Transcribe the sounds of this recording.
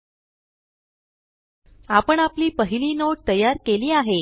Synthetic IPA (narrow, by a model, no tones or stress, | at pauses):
apəɳapliːpəɦiliːnoʈ̚t̪əjːaɾkeliːaɦe